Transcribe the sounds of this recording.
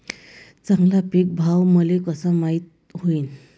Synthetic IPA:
t͡sãŋɡlapik̚bʱawməlekəsəmait̪̚ | ɦoiːn

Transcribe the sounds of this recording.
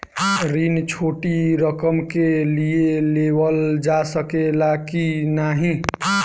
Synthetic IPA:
ɾint͡ʃʰoʈiɾəkəmkelieleʋəld͡ʒasəkelakinaɦĩ

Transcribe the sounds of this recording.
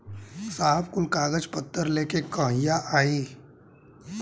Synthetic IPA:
saːɦəbkʊlkaːɡəd͡ʒpət̪ːəɾleːkekə̃ɦɪjaʔaːiː

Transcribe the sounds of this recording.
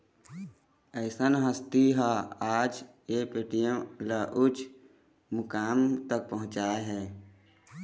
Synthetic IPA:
əɪsənɦəst̪iɦaaːd͡ʒ | epeʈijə̃laʔʊt͡ʃ | mʊkaːmt̪ək̚pəɦʊ̃t͡ʃaːeɦɛː

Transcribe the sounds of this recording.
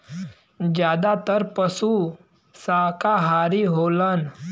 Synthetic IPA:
d͡ʒjaːd̪at̪əɾpəsu | sakaɦaːɾiɦolan

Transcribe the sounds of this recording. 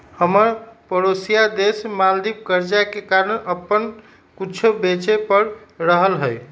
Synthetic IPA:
həməɾpəɾosijad̪esmald̪ip̚kəɾd͡ʒakekaɾənəpːən | kut͡ʃʰobet͡ʃepəɾɾəɦəlɦəj

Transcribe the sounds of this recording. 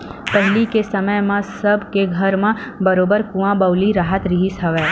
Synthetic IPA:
pəɦɪlikesəməjmãsəbʱkeɡʱəɾmãbəɾobəɾkũʋãbəʋliɾaɦət̪ɾiɦisɦəʋe

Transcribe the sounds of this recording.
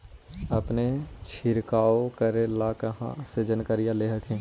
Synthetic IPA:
ɐpnet͡ʃʰɪɾkaːokəɾẽlaːkəɦã̰sed͡ʒənkəɾijaleːɦəkɦɛ̃ː

